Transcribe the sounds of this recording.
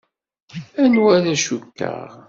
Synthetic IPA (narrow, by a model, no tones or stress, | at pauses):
ænwæðæʃukːə̰ʁ